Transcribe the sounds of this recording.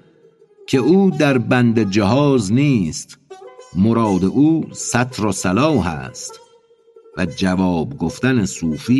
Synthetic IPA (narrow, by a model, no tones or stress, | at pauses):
kʰe̞uːd̪æɾbænd̪ed͡ʒeɦɒːzniːst̪moɾɒːd̪eʔuːsæt̪ʰɾosælɒːɦæ̰st̪ | væd͡ʒævɒːbɡoft̪ænesuːfiː